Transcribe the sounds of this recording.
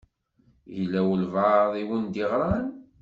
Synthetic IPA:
jəlːæwəlvaðˤiwənd̪iʁɾˤɑn

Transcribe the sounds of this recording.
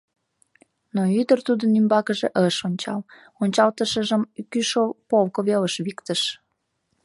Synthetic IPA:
noyd̪ərt̪ud̪ənymbɑkəʒeʔəʃonʲt͡ɕɑ̰l | onʲt͡ɕɑlt̪əʃəʒəmkyʃopolkoβeləʃβikt̪əʃ

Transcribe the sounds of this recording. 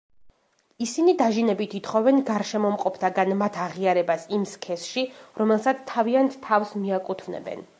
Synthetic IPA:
isinid̪aʒinɛbit̪ʰit̪χɔvɛnɡaɾʃɛmɔmqʼɔpʰt̪ʰaɡanmat̪ʰaʁiaɾɛbasimskʰɛsʃiɾɔmɛlˠsat̪st̪ʰːaviant̪ʰːafsmiakʼut̪ʰvnɛ̰bɛ̰n

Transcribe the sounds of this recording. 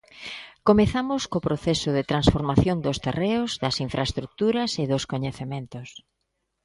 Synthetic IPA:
komeθamʊskopɾoθɛsʊðɪt̪ɾansfoɾmaθjond̪ʊst̪ereʊzðɐsiɱfɾʔaest̪ɾuk̚t̪uɾɐseðoskoɲeθemẽnt̪ʊs

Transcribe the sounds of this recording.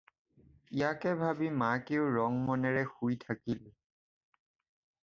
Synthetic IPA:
ijakɛbʱabimakeʊɹɔŋmɔnɛɹɛxujtʰakil

